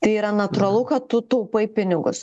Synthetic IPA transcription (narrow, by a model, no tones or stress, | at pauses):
t̪ɐɪiːɾɐnɐt̪ʊɾɐlˠʊkɐt̪t̪ːʊt̪ɐʊpɐɪpʲɪnʲɪɡʊ̰s